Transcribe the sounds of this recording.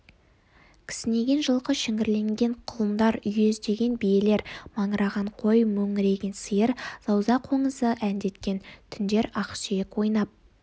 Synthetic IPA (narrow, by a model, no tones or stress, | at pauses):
kʲʰɪ̥sɪne̞ɡʲe̞nʒəlˠʁəʃɪŋɪɾle̞ŋɡʲe̞ɴqʰʊlˠəmd̪ɑɾʏjezd̪e̞ɡʲe̞nbije̞le̞ɾmɑɴəɾɑʁɑɴqʰo̞jmɵŋɪɾe̞ɡʲɪnsəjəɾz̥ɑwzɑqʰo̞ɴəzəʔænd̪e̞t̪kʲe̞nt̪ʰʏnd̪e̞ɾɑqʃjekwo̞jnɑp̚